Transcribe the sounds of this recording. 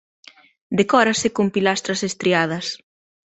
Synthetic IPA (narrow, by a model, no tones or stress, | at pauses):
d̪ekɔɾɐsɪkompilast̪ɾɐsest̪ɾiað̞ɐs